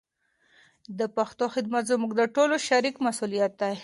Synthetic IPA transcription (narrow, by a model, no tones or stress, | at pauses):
d̪əpaxt̪oxɪd̪mat̪zəmuɡd̪əʈoloʃaɾikmasulijat̪̚d̪a